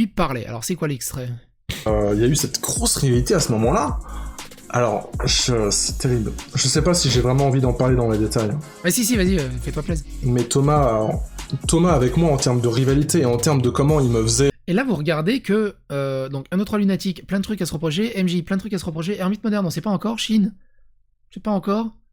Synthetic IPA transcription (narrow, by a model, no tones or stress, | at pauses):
ipaʁlɛʔa̰lɔ̰ʁsɛkwalɛkst̪χɛ | øiljaysɛt̪ɡʁosʁivalit̪easəmɔmɑ̃la | a̰lɔʁʒəsɛ̥t̪eʁiblʒəsɛpasiʒevʁɛmɑ̃ɑ̃vid̪ɑ̃paʁled̪ɑ̃led̪et̪ajɛ̃ | bɛsisivaziøfɛt̪waplɛzmɛt̪ɔmaɔʁt̪ɔmaːvɛkmwaɑ̃t̪ɛʁməd̪əʁivalit̪eːɑ̃t̪ɛʁməd̪əkɔmɑ̃ilməfəzɛelavuʁəɡaʁd̪ekʰəød̪ɔ̃kɛ̃d̪ot̪χwalynat̪ikplɛ̃d̪ət̪χykasəʁəpχɔʃ̬eʔɛmʒiplɛ̃d̪ət̪χykasəʁəpχɔʃ̬eɛʁmit̪mɔd̪ɛʁnɔ̃sɛpaɑ̃kɔʁʃin | ɛpaɑ̃kɔʁ